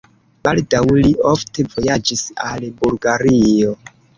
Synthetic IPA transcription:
baldawlio̞fte̞vo̞jad͡ʒisalbulɡaɾio̞

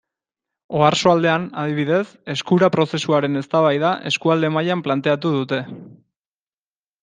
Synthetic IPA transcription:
o̞aɾsoald̪e̞anað̞iβiðe̞se̞skuɾapɾo̞se̞suaɾe̞ne̞st̪aβajðaʔe̞skuald̪e̞majamplant̪e̞at̪̬uð̞ut̪e̞

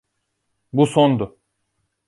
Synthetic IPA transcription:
busond̪ʊ

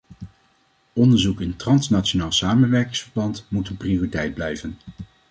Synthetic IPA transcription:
ɔndəɹzukɪntrɑnsnat͡ʃonaːlˠsaːmənʋɛɹkɪŋsfəɹbɑntmutənprioritɛjd̚blɛjvən

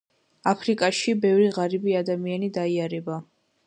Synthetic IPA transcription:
apʰɾikʼaʃibɛvɾiʁaɾibiad̪amianid̪aiaɾɛba

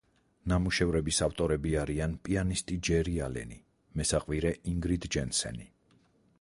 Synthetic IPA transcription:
namuʃɛvɾɛbisaft̪ʼɔɾɛbiaɾianpʼianist̪ʼid͡ʒɛɾialɛ̰ni | mɛsaqʼviɾɛʔiŋɡɾid̪d͡ʒɛnsɛ̰ni

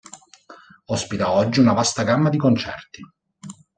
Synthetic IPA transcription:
ɔspit̪aɔd͡ʒːiunavast̪aɡamːad̪ikont͡ʃɛrt̪i

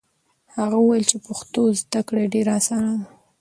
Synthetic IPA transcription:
haɣaəwajɪlt͡ʃepʊxt̪ozd̪akɽeɖeɾaːsɑnad̪a

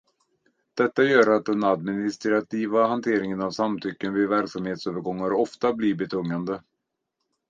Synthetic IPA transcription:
d̪̥ɛt̪ːajœːɾat̪̚d̪ɛnad̪mɪnɪst̪ɾat̪iːvaɦant̪ʰeːɾɪŋənavsamt̪ʰʏkːənvɪvæɾksamheːt̪søːvəɾɡɔŋːaɾɔft̪abliːbɛt̪ʰɵŋːand̪ə

